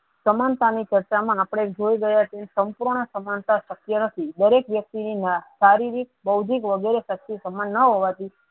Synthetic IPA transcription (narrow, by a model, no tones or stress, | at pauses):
səmant̪anit͡ʃəɾt͡ʃamãːpɽ̃eekd͡ʒoiɡəjat͡ʃʰensəmpuɾɳ̃əsəmant̪aʃəkjənət̪ʰid̪əɾekʋjək̚t̪ininəʃaɾiɾik̚bəwd͡ʒikʋəɡɛɾeʃək̚t̪isəmanːəɦoʋat̪i